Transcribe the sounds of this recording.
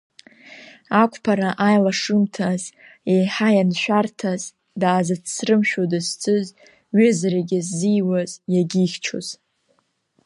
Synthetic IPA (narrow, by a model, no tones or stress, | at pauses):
akʷʰʼpʰaɾaʔajlaʂɨmtʰaz | ejħajanʃᶣartʰaz | daːzat͡sʰsrɨmʃᶣodɨzt͡sʰʼɨz | ɥɪzaɾaɡʲɪzːijwazjaɡʲiχʲt͡ʃʰo̰z̥